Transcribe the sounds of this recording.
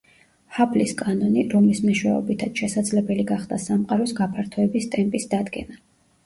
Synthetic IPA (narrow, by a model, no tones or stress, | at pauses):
hapʰliskʼanɔniɾɔmlismɛʃwɛ̰ɔ̰bit̪ʰat̪ʃɛsad̪zlɛbɛliɡaχd̪̥asamqʼaɾɔsɡapʰaɾt̪ʰɔɛbist̪ʼɛmpʼisd̪ad̪ɡɛ̰na